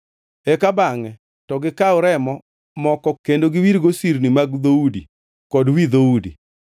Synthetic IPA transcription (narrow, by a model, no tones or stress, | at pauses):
ɛkabaŋɛ | tɔɡɪkaʊɾɛmɔ | mɔkɔkendoɡɪwiɾɡosiɾnimaɡd̪oudḭ | kɔdwid̪oudḭ